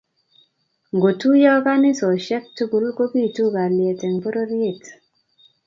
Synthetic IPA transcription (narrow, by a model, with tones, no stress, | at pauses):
ŋɡo˨tu˦jɔ˦ka˦nɪ˦sɔ˨ʃɛ˦k̚tu˦ɡu˨˦lko˦bi˦˨tu˦ka˨ljɛ˨tɛ˨ŋpo˦ɾo˦ɾie˦˨t